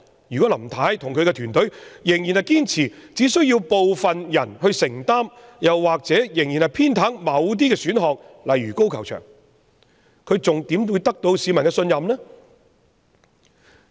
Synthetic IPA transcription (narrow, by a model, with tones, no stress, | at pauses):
jy˨kɔː˨˥lɐ˨˩mt̪ʰaː˨˥jt̪ʰʊ˨ŋkʰɵ˧ɥkɛː˧t̪ʰyː˨˩nt̪ɵ˨˥ɥjɪ˨˩ŋjiː˨˩nhɐ˨jkiː˥nt͡sʰiː˨˩t͡siː˨˥sɵ˥ɥjiː˧wpo˨wfɐ˨njɐ˨˩nhɵ˧ɥsɪ˨˩ŋt̪aː˥mjɐ˨˩wːaː˨k̚t͡sɛː˨˥jɪ˨˩ŋjiː˨˩nhɐ˨jpʰiː˥nt̪ʰaː˨˥ŋmɐ˨˧wt̪̬iː˥kɛː˧syː˨˥nɦɔː˨k̚lɐ˨jɥyː˨˩ko˥wkʰɐ˨˩wt͡ʃʰœ̰ː˨˩ŋ | kʰɵ˨˧ɥt͡sʊ˨ŋt̪i˨˥mwuː˧jt̪ɐ˥k̚t̪o˧wsiː˨˧mɐ˨˩nkɛː˧sɵ˧njɐ˨mnɛː˥